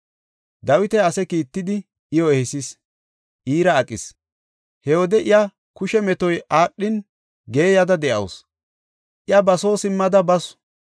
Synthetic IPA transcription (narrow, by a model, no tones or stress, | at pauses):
d̪ɐwɪt̪ɛɐsɛkiːt̪ːɪd̪ɪ | ɪjɔɛhɛsis | ʔiːɾɐːkʼɪs | hɛwɔd̪ɛʔɪjɐ | kʊʃɛmɛt̪ɔjʔaːʔːɪn | ɡe̞ːjɐd̪ɐd̪ɛʔɐ̰ws | ʔɪjɐbɐso̞ːsɪmːɐd̪ɐbɐs